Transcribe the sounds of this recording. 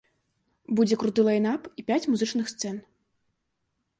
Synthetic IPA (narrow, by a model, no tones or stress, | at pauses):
bud͡zʲɛkɾut̪ɨlˠɐjnapipʲat͡sʲmuzɨt͡ʂnɨxst̪sɛn